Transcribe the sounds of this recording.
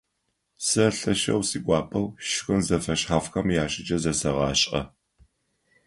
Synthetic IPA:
sɐɬɐʃɐ̰wsiːɡʷʼɑːpʰʼɐwʃɪxɨnzɐfɐʃħaːfxɐmjaːʃʼɪd͡ʒɐzɐsɐʁɑ̰ːɕʼʔɐ̰

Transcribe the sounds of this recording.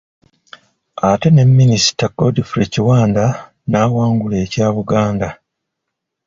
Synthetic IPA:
ate̞ne̞mːinisi̥takːodifɾeciwaːnda | naːwaːŋɡule̞ːcaːβuɡaːnda

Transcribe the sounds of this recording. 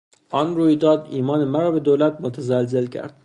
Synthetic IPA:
ʔɒnɾuːjd̪ɒːd̪iːmɒːnemæɾɒːbe̞d̪oːwlæt̪̚mot̪ʰæzælzelcʰæ̰ɾd̪̥

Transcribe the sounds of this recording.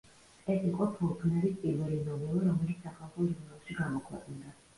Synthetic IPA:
ɛsiqʼɔt̪ʰuɾpʰnɛɾispʼiɾvɛlinɔmɛviɾɔmɛlit̪ssaχʰalˠχɔd͡ʒuɾnalˠʃiɡamɔkʰwɛ̰qʼnd̪a

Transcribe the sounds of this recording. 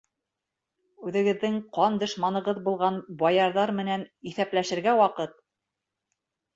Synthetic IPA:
ʉðɘ̆ɡɘ̆ðːɘŋqɑnd̪ɤ̆ʃmɑnɤ̆ʁɤðbulˠʁɑnbɑjɑɾðɑɾmɘ̆næniθæplæʃɘ̆ɾɡæwɑqɤt̪̚

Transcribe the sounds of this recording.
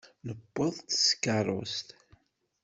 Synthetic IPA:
nəbːəðˤt̪skːɑrˤo̰st̪

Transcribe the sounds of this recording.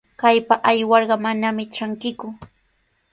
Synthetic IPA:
kajpaʔajwɑɾɢɑmanamɪʈ͡ʂaŋkɪkʊ

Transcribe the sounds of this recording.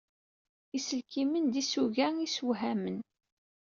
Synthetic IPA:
isəlkimənd̪isuʝæiswɦæmən

